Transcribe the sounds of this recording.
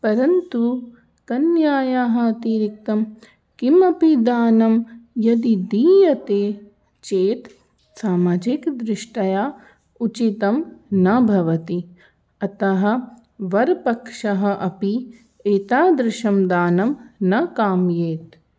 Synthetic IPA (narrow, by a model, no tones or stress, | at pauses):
pɐɾɐnt̪u | kɐnjaːjaːɦɐɐt̪iːɾik̚t̪ɐm | kimɐpid̪aːnɐmjɐd̪id̪iːjɐt̪eː | t͡ʃeːt̪ | saːmaːd͡ʒikd̪ɾɪʂʈɐjaː | ut͡ʃit̪ɐmnɐbʱɐʋɐt̪i | ɐt̪ɐɦɐ̆ | ʋɐɾpɐkʂɐɦɐ̆ʔɐpi | eːt̪aːd̪ɾɪʃɐmd̪aːnɐmnɐkaːmjeːt̪